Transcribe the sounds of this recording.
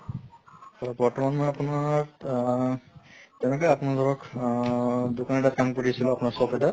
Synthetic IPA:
ɔɹɔtbɔɹtɔmanmɔjapunaɹ | tɛwnɛkɔjapʊnaɹzɔɹɔk | dukanɛtat̚kamkuɾisilɔapʊnaɹsɔpɛta

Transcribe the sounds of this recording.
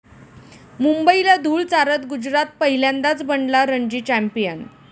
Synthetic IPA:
mumbəilad̪ʱuːɭt͡saɾət̪ɡud͡ʑɾat̪̚pəɦiljãnd̪at͡sbəɳɖlaɾəɳd͡ʑiːt͡ɕæmpijən

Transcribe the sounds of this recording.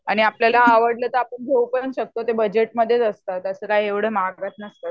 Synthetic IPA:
aɽ̃iapljalaːʋəɽlət̪əapəɳɡʱeʋupənɕək̚t̪ot̪ebəd͡ʑeʈməd̪ʱːjet͡səst̪at̪əsəkajeʋɽ̤emaɡɡat̪nəst̪ə

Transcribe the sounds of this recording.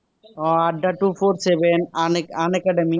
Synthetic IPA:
ɔaɖːaʈufʰoɾsebenananɛkaɖemi

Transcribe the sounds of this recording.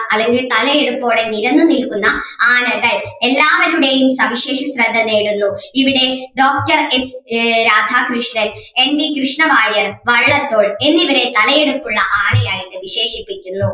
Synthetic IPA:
ɐlːe̞ŋɡilt̪ɐlɐjeɽukːo̞ːɽe̞niɾɐnːunilkunːɐaːnɐd̪ɐle̞lːaːʋɐɾuɽe̞jumsɐʋiɕe̞ːʂɐsrɐd̪ʱːɐneːɽunːuiʋiɽe̞ɖo̞ːk̚ʈɐresɾaːd̪ʱaːkɾuʂɳɐle̞nbikɾuʂɳɐʋaːjɐrʋɐɭːɐt̪ːo̞ːɭe̞nːiʋɐɾe̞t̪ɐlɐje̞ɽukːuɭːɐʔaːnɐjaːjiʈːɨʋiɕe̞ːʂipːikʲːunːu

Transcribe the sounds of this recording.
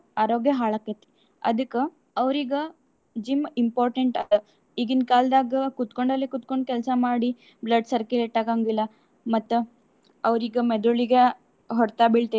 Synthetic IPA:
aːɾoːɡjɐɦaːɭakːet̪ːe̥ | ɐ̰d̪ɨkːe | ɐʋɾiɡɐ | d͡ʒimimpoːɾʈeɳʈɐd̪ | iɡind̪̚kaːld̪aːɡɐkut̪koɳɖɐlːekut̪̚koɳɖkɛlsɐmaːɽi | blɐɖsɐɾkileʈːaːɡaːŋɡilːɐ | mɐt̪ːu | ɐʋɾiɡɐmed̪uɭiɡe | ɦɔɾt̪aːbiɭt̪e

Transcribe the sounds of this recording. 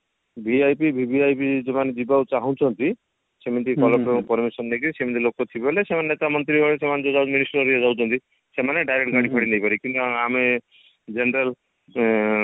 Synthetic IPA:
biajpibʱibiajpid͡ʒemaned̪ibawt͡ʃaɦɔ̃t͡ʃʰɔnt̪i | semɔnt̪ikɔlɔɔkɔɾmisɔnːekisem̃nt̪ʰilokɔt̪ʰiblesemanenet̪amɔnt̪ɾiɔlesemaned͡ʒɔd͡ʒawminisʈɔɾiɔd͡ʒaw̃t͡ʃʰɔnt̪i | semaneɖajɾekʈɡʱaɽipʰɔɽinejpaɾikint̪uaame | d͡ʒenɾel

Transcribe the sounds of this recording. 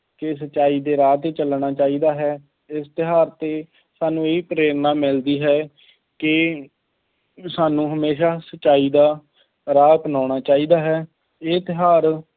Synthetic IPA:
kɪs̬ət͡ʃaːiːd̪eːɾaːt̪et͡ʃəlɳaːt͡ʃaːiːd̪aːɦɛː | ɪst̪ɪɦaːɾt̪eː | saːnũːeːiːpəɾeːɾnaːmɪld̪iːɦɛː | kɪ | saːnũːɦəmeːʃaːsətt͡ʃaːiːd̪aː | ɾaːpənaːɽ̃aːt͡ʃaːiːd̪aːɦɛː | eːt̪ɪɦaːɾ

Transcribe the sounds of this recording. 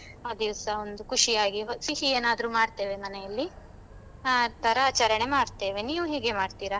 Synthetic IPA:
aːd̪iʋɐsɐond̪ukuʂiaːɡiɦsiɦieːnaːd̪ɐɾuːmaːɽt̪e̞ːʋe̞mɐnejɐlːi | aːt̪ʰɐɾɐːt͡ʃɐɾɐɳemaːɽt̪e̞ːʋe̞niːʋuɦeːɡe̞maːɽt̪iːɾɐ

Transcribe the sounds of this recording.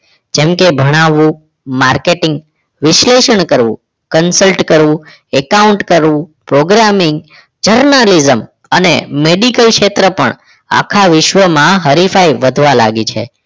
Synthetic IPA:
d͡ʒemkebʱəɽ̃aʋũ | maɾkeʈɪ̃ŋɡ | ʋɪʃleʃəɳkəɾʋṵ̃ | kənsəlʈkəɾʋũ | ɛkauɳʈkəɾʋũpɾoɡɾamɪŋɡ | d͡ʒəɾnalizəm | ənemeɖikəlkʃet̪ɾəpə̰ɳ | a̰kʰaʋɪʃʋəmãɦəɾifajʋəd̪ʱʋala̰ɡit͡ʃʰḛ

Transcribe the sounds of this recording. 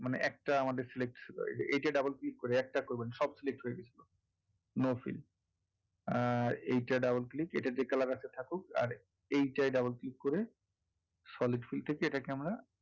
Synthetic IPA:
maneʔɛk̚ʈaamad̪eɾselek̚ʈt͡ɕʰilo̰ḛʔejʈaɖabolklikːoɾeɛk̚ʈakoɾbenʃɔbsilek̚ʈɦojeɡet͡ɕʰilo | nofḭl | aejʈaɖabolklikḛʈad͡ʑekalaɾkat͡ɕʰet̪ʰakuka̰ɾ | ejʈajɖabolklikːoɾe | sɔliɖfilt̪ʰekeeʈakeamɾa

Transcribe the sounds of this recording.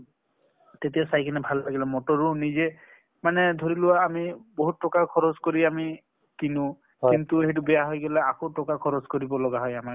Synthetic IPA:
t̪etiasajkʰinɛbʱalːaɡilɛmɔtɔɹunizɛ | manɛd̪ʱoɹilʊaːmiboɦutːɔkakʰɔɹɔzkoɹiami | t̪inʊ̃ | kint̪uet̬ubɛjaɦɔjɡɔlɛakotɔkakʰɔɹɔzkoɹibɔlɔɡaɦɔjamak

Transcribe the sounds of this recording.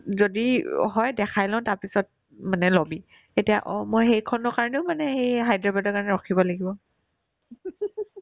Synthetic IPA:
zodiɦɔjdɛkʰajlãʊ̃taɹpisɔt̚ | manɛlobi | etijaʔɔmojxejkʰɔnɔkaɹɔneʊmanɛhejɦajdɹabadɔɹkaɹɔnɛɹɔkʰibɔlaɡibɔ

